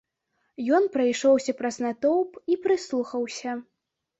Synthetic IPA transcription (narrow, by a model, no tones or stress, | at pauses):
jɔnpɾɐjʂɔwsʲɐpɾɐznat̪ɔwpipɾɨslˠuxɐwsʲɐ